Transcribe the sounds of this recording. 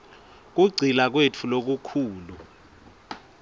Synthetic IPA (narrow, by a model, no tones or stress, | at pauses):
k̬uɡ͡ǀʱilak̬wetʰulok̬ukʰuːlu